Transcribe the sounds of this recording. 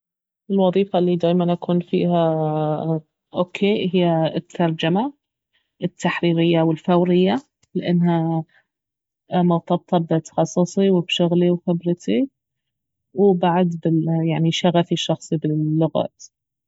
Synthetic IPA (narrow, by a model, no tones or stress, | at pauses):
ʔɪlwɑðˤiːfalːid̪aːjmanʔakuːnfḭːha | ʔoːkʰeːɦɪjːaɪt̪ʰːɑɾˤd͡ʒama | ʔɪt̪ʰːaħɾiːɾɪjːawɪlfawɾɪjːa | lʔanːɦa | mɑwt̪ˤɑb̚t̪ˤʰɑbɪt̪ɑ̥xɑsˤːɨsˤiwɪbʃʊɣliwxɪbɾɪt̪i | wbaʕad̪bɪjaʕniʃaɣafiʃːɑxsˤibɪːʊɣa̰ːt̪